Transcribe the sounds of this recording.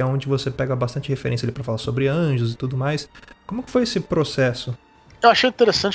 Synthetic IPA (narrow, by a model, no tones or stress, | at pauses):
aõd͡ʒɪvosepɛɡɐbast̪ɐ̃nt͡ʃɪhefeɾẽsjalipɾɐfalasobɾɪɐ̃ʒʊzɪt̪ud̪ʊmajskõmʊkɪ̥fojesɪpɾosɛsʊ | ewaʃejĩt̪eɾesɐ̃t͡ʃ